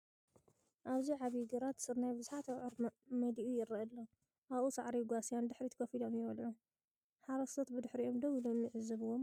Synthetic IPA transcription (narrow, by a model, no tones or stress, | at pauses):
ʔaβziʕaβiɡɐɾat̪sɨɾnajbɨzuħat̪awʕʊɾmɐd̪iʔujɪɾɐʔɐlːo | ʔaβʔusa̰ʕɾiɡʷasijand̪ɨħɾit̪ʰɨ̥kʰɐfilomjɪβɐlʕu | ħaɾɐsɐt̪bɨd̪ɨħɾiʔo̞md̪oβlomjɪʕɨzːɨβɨwːom